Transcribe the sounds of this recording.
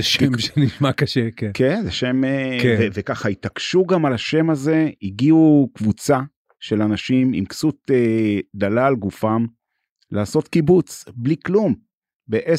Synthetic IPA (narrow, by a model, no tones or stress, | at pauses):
emʃeniʃmakaʃekenkenzeʃe̞mekvevekaχait̪akʃuɡamalaʃe̞maze̞iɡiukvut͡sa | ʃe̞lanaʃimḭmksut̪ed̪alaːlɡufam | lʔaːso̞t̪kibut͡sbliklum | beʔe